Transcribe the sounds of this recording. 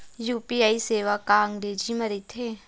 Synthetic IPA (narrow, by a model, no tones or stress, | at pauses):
juːpiaːiseːʋakaəŋɡɾeːd͡ʒimɐɾit̪ɦeː